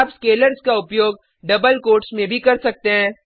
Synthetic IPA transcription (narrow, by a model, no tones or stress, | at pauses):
pskeːləɾzkaʊpjoːɡ̚ | ɖɐbəlkoːɾʈsmẽbʱikɐɾsɐk̚t̪eɦɛ̃ː